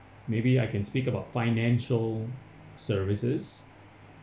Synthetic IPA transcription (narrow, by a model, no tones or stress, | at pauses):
mebiaɪkɛ̃nspikəbaʊtfaɪnɛ̃nʃəl | səvisəs